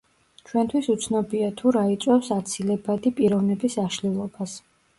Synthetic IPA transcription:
t͡ʃʰwɛnt̪ʰwisut̪sʰnɔbiat̪ʰuɾait̪sʼwɛfsat̪sʰilɛbad̪ipʼiɾɔvnɛbisaʃlilˠɔbas

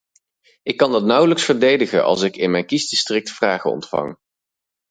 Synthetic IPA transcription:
ɪkːɑndɑt̚nʌwləksfəɹdejdəχə̰nʔɑ̰lˠsɪkɪnmɛjnkizdɪstrɪk̚tfraːχə̰ɔ̰ntfɑ̰ŋ

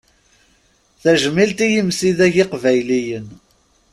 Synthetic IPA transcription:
θæʒəmːilt̪ijəmsiðæʝɪqvæjlijən

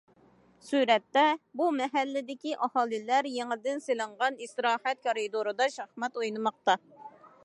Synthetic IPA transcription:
suɾɛt̪ːɛbumɛɦɛlːɪd̪ɪkʲiʔɑhɑːlˠɨlæɾjeŋɪd̪ɪnselɨɴʁɑnist̪ɾɑːhɛt̪̚kʰɑɾid̪oɾɨd̪ɑʃɑχmɛt̪ojnɨmɑq̚t̪ɑ

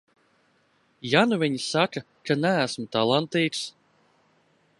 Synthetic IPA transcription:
januvʲiɲisaka | kanææsmut̪alˠant̪iːt̪s

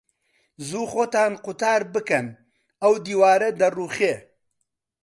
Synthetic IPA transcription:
zuːxoːt̪aːnqʊt̪aːɾbɨkɐn | ɐwd̪iːwaːɾɐd̪ɐruːχeː

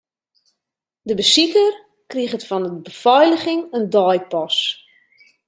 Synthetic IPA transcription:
dəbəsikər | kriɣətfɔnəbəfɔjləχɪŋəndɔjpɔs

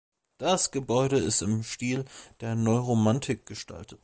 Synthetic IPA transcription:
d̥asɡ̥əbɔʏɾəɪstɪmʃtiːld̥eːɐnɔʏʁomantʰɪk̚ɡ̥əʃtʰa̰ltʰət

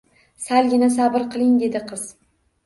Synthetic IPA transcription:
salɡʲɪnas̬abɨɾqʰɨlˠɪŋd̪e̞d̪ɪqʰɨz̥

